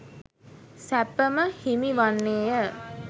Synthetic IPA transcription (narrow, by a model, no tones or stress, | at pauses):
sæpəməhimiʋanːeːjə